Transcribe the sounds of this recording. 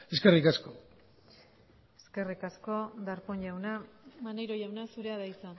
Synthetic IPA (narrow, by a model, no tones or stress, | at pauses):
e̞skerikasko | eske̞rikasko̞d̪aɾpoɲʎawnamanejɾoʝawnasuɾe̞aðajt͡sa